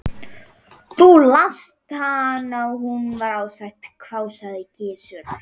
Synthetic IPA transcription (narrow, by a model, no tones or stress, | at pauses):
θulast̪hanawɦunvaɾaːwsajt̪kʰvaːwsaðɪcɪːsʏɾ̥